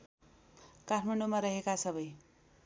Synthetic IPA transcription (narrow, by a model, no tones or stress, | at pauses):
kaʈʰmʌɳɖomaɾʌɦekasʌbʌj